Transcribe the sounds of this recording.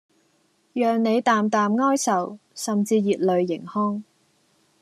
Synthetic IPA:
jœː˨ŋne˨˧jt̪aː˨mt̪aː˨mŋɔː˥jsɐ˨wsɐ˨˩mt͡siː˧jiː˨t̚lɵ˨ɥːɪ̰˨˩ŋhɔː˥ŋ

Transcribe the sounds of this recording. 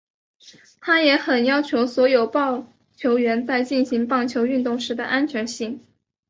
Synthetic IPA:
t̪ʰa˥jɛ˧˥xə˨˩njɑ˥ʊt͡ɕʰjo˧˥ʊswɔ˧˥jo˨˩ʊpɑ˥˩ʊ | t͡ɕʰjo˧˥ʊɥɛ˧˥nt͡sa˥˧ɪt͡ɕi˥˩nɕi˧˥ŋpɑ˥˩ŋt͡ɕʰjo˧˥ʊy˥˧nt̪ʊ˥˩ŋʂɻ̩˧˥d̪ə̰˧ʔa˥nt͡ɕʰɥɛ˧˥nɕi˥˩ŋ

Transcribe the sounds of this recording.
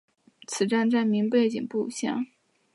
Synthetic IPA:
t͡sʰɹ̩˨˩ʈ͡ʂa˥˧nʈ͡ʂa˥˩nmi˧˥ŋpe˥˩ɪt͡ɕḭ˨˩ŋpṵ˥˩˨ɕjɑ̰˥˩ŋ

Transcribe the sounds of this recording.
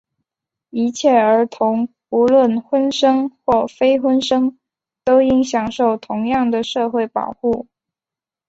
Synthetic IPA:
i˧˥t͡ɕʰjɛ˥˩ə˞˧˥t̪ʰʊ˧˥ŋ | u˧˥lwə˥˩nxwə˥nʂɤ˥ŋxwɔ˥˩fe˥ɪxwə˥nʂɤ˥ŋ | t̪o˥ʊi˥ŋɕjɑ˨˩ŋʂo˥˩ʊt̪ʰʊ˧˥ŋjɑ˥˩ŋd̪ə˩ʂɤ˥˧xwe˥˩ɪpɑ̰˨˩ʊxu˥˩

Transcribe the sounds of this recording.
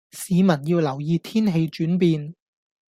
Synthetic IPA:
siː˨˥mɐ˨˩njiː˧wlɐ˨˩wjiː˧t̪ʰiː˥nɦe˧jt͡ʃyː˨˥np̬iː˧n

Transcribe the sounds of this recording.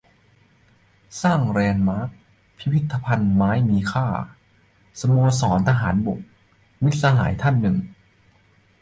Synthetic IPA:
saː˥˩ŋɾɛː˧nmaː˦˥k̚ | pʰi˦˥pʰi˦˥t̪ʰːa˧pʰa˧nmaː˦˥jmiː˧kʰaː˥˩ | sa˧moː˧sɔː˩˦nt̪ʰa˧ɦa̰ː˩˦nbo˨˩k̚ | mi˦˥t̪̚sa˧ɦa̰ː˩˦jt̪ʰa˥˩nːɯ˨˩ŋ

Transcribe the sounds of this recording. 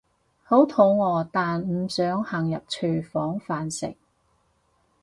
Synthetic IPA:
ho˨˥wt̪ʰo˨˧wŋɔː˨˧t̪aː˨nm̩˨˩sœː˨˥ŋhɐ˨˩ŋjɐ˨p̚t͡ʃʰøː˨˩fɔː˨˥ŋfaː˨nsɪ̰˨˩k̚

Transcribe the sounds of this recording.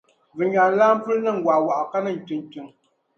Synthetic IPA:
vɨ˨ɲa˨laː˦m̩˦pɨ˦lnə˦˨ŋ̩˦ɡwa˨wa˨ʔɔ˨ka˦nɨ˦˨n̩˨tɨ˨ŋ˦tɨ˨ŋ

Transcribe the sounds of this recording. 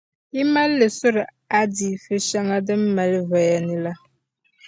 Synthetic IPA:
i˦ma˦lːə˨sʊ˦ɾə˨ | a˦di˨fe˦ʃa˦ŋa˦də˦m̩˦mɛ˨lvə˨ja˨ni˦la˦

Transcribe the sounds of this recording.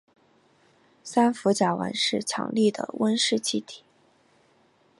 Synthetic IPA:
sa˥nfu˧˥t͡ɕja˨˩wa̰˧˥nʂɻ̩˥˩t͡ɕʰjɑ̰˧˥ŋli˥˩d̪ə̰˩wə˥nʂɻ̩˥˩t͡ɕʰi˥˩t̪ʰi̥˨˩˦

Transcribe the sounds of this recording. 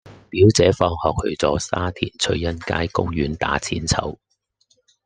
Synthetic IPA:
piː˨˥wt͡sɛː˨˥fɔː˧ŋhɔː˨k̚hɵ̰˧ɥt͡sɔː˨˥saː˥t̪ʰḭː˨˩nt͡sʰɵ˧ɥjɐ˥nka̰ː˥jkʊ˥ŋjyː˨˥nt̪a̰ː˨˥t͡sʰḭː˨˥nt͡sʰɐ̰˨˥w

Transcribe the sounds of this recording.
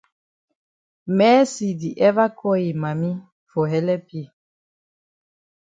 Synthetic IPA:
mɛ˨˦si˨di˨ʔɛ˦va˦kʰɔ˦i˨ma˨mi˦ | fo˨ɦɛ˦lɛ˦pje˦˨

